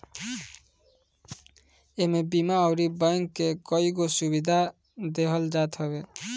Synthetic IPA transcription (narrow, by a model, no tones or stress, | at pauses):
emebimaɔwɾibajŋkːekɔiɡosubid̪ʱa | d̪eɦʌld͡ʒat̪ɦʌβe